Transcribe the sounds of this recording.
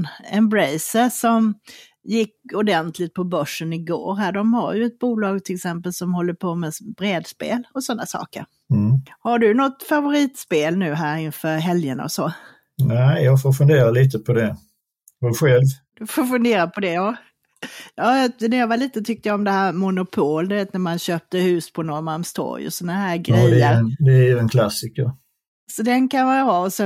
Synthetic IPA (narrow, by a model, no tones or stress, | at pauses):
ɛmbɾɛjsəsɔm | jɪkːʊd̪ɛnt̪ʰlɪt̪̚pʰɔbœʂːənɪɡo̰ːɾɦæːɖɔmha̰ɾjɵɛt̪̚buːlɑːɡ̚t̪ʰɪlɪksɛmpəlsɔmhɔlːəpʰoːmɛbɾeːd̪spḛːlɔsɔnːasɑ̰ːkə̰ɾ̩ | haɖɵnɔt̪favʊɾiːt̪speːlnʉ̟ːɦæːɾɪnfœɾɦɛljəna̰ɔsɔ | næɪjɑɡfoːɾfɵnd̪eːɾaliːt̪əpʰɔd̪ɛ | hɔɧɛlvd̪̥ɵfoːɾfɵnd̪eːɾapʰɔd̪ɛjɑː | jɑːjɑnæjɑvaliːt̪ət̪ʰʏk̚t̪əjaɔmd̪ɛɦæːɾmʊnʊpʰoːld̪ɵveːt̪næɾmanɕøːp̚t̪əhʉ̟ːspʰɔnɔmaɾmst̪ʰɔ̰ɾjɔ̰sɔnaɦæːɾɡɾɛjːəd̪ɛæjɵɛnkʰlasɪkəɾ | sɔd̪ɛnkʰanvɑjɑɦɑɔsɛ